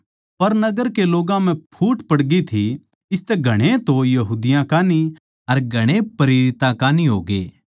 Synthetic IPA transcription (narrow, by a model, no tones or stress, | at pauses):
pɐɾnɐɡəɾkeloːɡãm̤ɛ̃pʰuːʈpɐɽɡit̪ʰi | ɪst̪ɛɡʱɐɽ̃ẽt̪ojɐɦuːd̪ɪjãkaːni | ɐɾɡʱɐɽ̃epɐɾeːɾɪt̪ãkaːniɦoːɡḛː